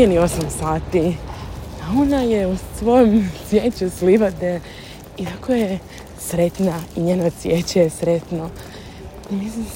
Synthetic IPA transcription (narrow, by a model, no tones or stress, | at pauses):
enio̞samsaːt̪i | ao̞najeusʋo̞jomsjeːt͡ɕusliʋad̪e | it̪akʰoje | sɾe̞t̪naiɲenosjet͡ɕejesɾe̞t̪no | imislim